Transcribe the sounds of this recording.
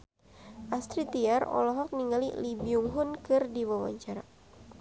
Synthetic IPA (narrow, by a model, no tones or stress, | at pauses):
ʔast̪ɾit̪iarɔ̰lɔɦɔk̚niŋalḭlibiuŋɦʊnkɨrdiwawa̰ɲt͡ʃaɾa